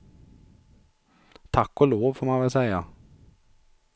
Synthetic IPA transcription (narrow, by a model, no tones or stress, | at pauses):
t̪ʰakːɔloːʋfɔɾmæɪʋɛlsæɪa